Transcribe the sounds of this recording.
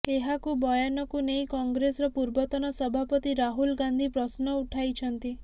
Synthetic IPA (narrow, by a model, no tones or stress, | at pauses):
eɦakubɔjɔnɔkunejkɔŋɡɾesɔɾɔpuɾbɔt̪ɔnɔsɔbʱapɔt̪iɾaɦulɡand̪ʱipɾɔsnɔuʈʰajt͡ʃʰɔnt̪i